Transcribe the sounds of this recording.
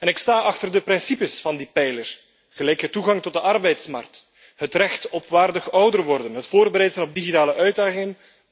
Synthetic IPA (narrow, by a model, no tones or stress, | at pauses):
ɛnɪkstaːʔɑxtərdəprɪnsipəsfɑndipɛjlər | ɣəlɛjkətuɣɑŋtɔt̚dəʔɑrbɛjtsmɑ̰rkt | ɦətrɛxtɔpʋaːrdəχɔwdərʋɔrdənɦətfoːrbəɾɛjtzənɔp̚diɣitaːləʔœɥd̚daːχɪŋən